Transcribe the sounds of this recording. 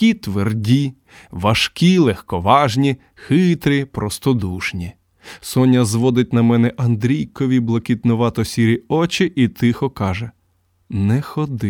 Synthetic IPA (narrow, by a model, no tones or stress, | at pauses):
it̪ʋerdʲi | ʋɐʃkʲilˠɛxkɔʋɑʒnʲi | xɪt̪ɾʲipɾɔst̪ɔd̪uʃnʲi | sɔnʲɐzʋɔd̪ɪt̚ʲnɐmɛnɛʔɐnd̪ɾʲijkɔʋʲiblˠɔkʲit̪nʊʋɑt̪ɔsʲiɾʲiɔt͡ʃɪʔit̪ɪxɔkɑʒɛ | nɛxɔd̪ɪ